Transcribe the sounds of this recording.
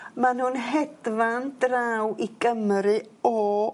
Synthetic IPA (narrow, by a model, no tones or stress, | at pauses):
manhunɦɛdvandraːwʔiɡəmɾɨɔ